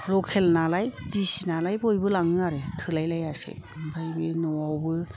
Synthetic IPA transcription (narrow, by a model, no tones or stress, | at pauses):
lɔkʰelnalajdisinalajbojbɯlaŋɯaɾetʰɯlajlajasḛbajbinɔwawbɯ